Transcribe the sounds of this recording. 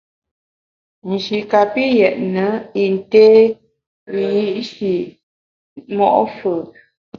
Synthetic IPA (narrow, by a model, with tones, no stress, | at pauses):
n̩˨d͡ʒi˨ka˨pi˦jɛ˨ʔnə˨˦i˨n˨teː˦˨ | ji˦ʔʃi˨ | mɔ˦ʔfə˨